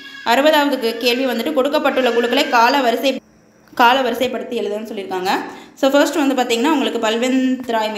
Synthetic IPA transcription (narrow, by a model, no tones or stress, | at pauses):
ʔɐɾɯbɐðaːʋɐðɯkːɯkeːɭʋiʋɐnd̪ɯʈːɯkɔɽɯkːɐpːɐʈːɯɭːɐkʊɻɯkːɐɭɐɪkaːlɐʋɐɾɯsɐ | kaːlɐʋɐɾɯsɐɪpːɐɽɯt̪ːɯɛɻɯðɯɐnːɯsɔlːɪɾɯkːaːŋɡɐsoːfɐɾsʈɯʋɐnd̪ɯpaːɾt̪iːŋɡɐnːaːʋʊŋɡɐɭɯkːɯpɐlʋɛnt̪ɪɾaːjm